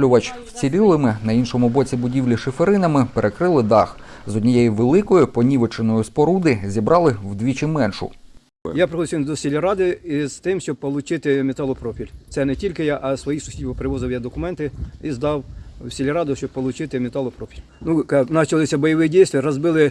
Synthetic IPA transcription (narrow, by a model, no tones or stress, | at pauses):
lʲʊʋɐt͡ʃwt͡sʲilʲɪlˠɪmɪnɐinʃɔmʊbɔt͡sʲibʊdʲiwlʲiʃɪfeɾɪnɐmɪpeɾʔekɾɪlˠɪd̪ɑxzɔdʲnʲijɛjiʋelˠɪkɔjʊpɔnʲiʋet͡ʃenɔjʊspɔɾud̪ɪzʲibɾɑlˠɪwd̪ʲʋʲit͡ʃɪmɛnʃʊ̰ | japɾɪxɔd̪ʲsʲʋʲind̪ɔsʲilʲɐɾɑd̪ɪiz̥t̪ɪmʃt͡ʃɔb̚pɔlˠʊt͡ʃɪt̪ɪmʲet̪ɑlˠɔpɾɔpʲilʲt̪sɛnɛtʲilʲkɪjaʔɐsʋɔjisʊ̥sʲidʲbɔpɾɪʋɔzɪwjɛd̪ɔkʊmɛnt̪ɪizd̪ɑwsʲilʲɐɾɑd̪ʊʃt͡ʃɔb̚pɔlˠʊt͡ʃɪt̪ɪmʲet̪ɑlˠɔpɾɔpʲilʲnuknɑt͡ʃɐlˠɪsʲɐbɔjɔʋɪjidʲijst̪ʋʲiɾɔzbɪlˠɪ